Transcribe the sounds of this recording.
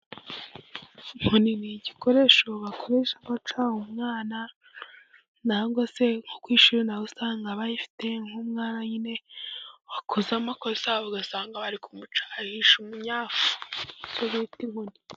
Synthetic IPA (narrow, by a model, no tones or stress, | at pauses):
muniniɟiko̞ɾe̞ːʃo̞βakʰoɾeːʃamat͡ʃawumŋaːna | naːŋɡo̞se̞ŋhokwiːʃuɾinaβusaːŋɡaβajifi̥te̞ŋhumŋaːnaɲine̞βakuzamako̞saβaɡasaːŋɡaβaɾikumut͡ʃḁhiʃumuɲaːfu̥icoβiːtimuni